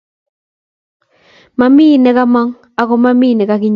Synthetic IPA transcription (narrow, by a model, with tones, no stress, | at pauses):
ma˨miː˦nɛ˨ka˦ma˦ŋ | a˨ko˨ma˦miː˦˨nɛ˨ka˦kɪ˦ɲ